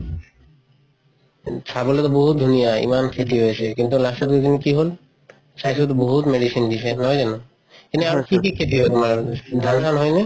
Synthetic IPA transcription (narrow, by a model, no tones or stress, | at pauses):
t͡ɕʰabolet̪oboɦut̪̚d̪ʱunijaḭmankʰet̪iɦojet͡ɕʰekint̪ulaʃot̪okinikiɦol | ʃajʃot̪̬oboɦut̪meɖiʃinɖiʃʰenɔjd͡ʑɛno | eniaɾkik̬ikʰet̪iɦt̪omaɾd̪ʱanʃanɦɔjni